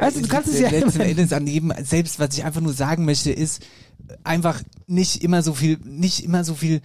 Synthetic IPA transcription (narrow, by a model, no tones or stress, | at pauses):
vaɪstud̥ukʰanstsalɛɛndəsanjeːbm̩z̥ɛlpstv̥asɪçʔa̰ɪnfaχnuːɐzaːɡŋ̩mœçtəʔɪst | ʔaɪnfaχnɪçtʔɪmɐzoːfiːlnɪçtʔɪmɐzoːfiːl